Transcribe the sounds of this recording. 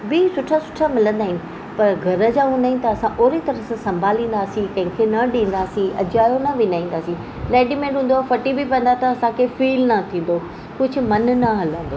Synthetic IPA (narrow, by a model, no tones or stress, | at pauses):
bisʊʈʰasʊ̥ʈʰamɪlə̃nd̪aːɦɪnɪ | pɐɾɡʱɐɾə̆d͡ʑaːɦũːnd̪aːɦɪnɪ̆t̪ɐɐsãʔoːɾit̪ɐɾəssɐ̃mbʱaːlĩːn̆d̪aːsĩkɐ̃ɦɪ̃kʰenɐɗĩːn̆d̪aːsĩɐ̰d͡ʑaːjonɐʋɪnaːĩːn̆d̪aːsĩ | lɛːɖimẽɖũːnd̪oaːfɐʈibɪpɐ̃n̆d̪at̪ɐɐsãkʰefiːlnɐt̪ʰĩːn̆d̪o | kʊd͡ʑʱʊ̆mɐnnɐɦɐlə̃nd̪oː